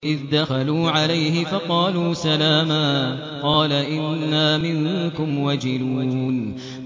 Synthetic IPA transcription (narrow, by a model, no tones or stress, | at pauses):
ʔɪðd̪axaluːʕalajhɪfɑqɑːluːsalaːmaː | qɑːlaʔɪnːaːmɪŋkʊmwad͡ʒɪluːn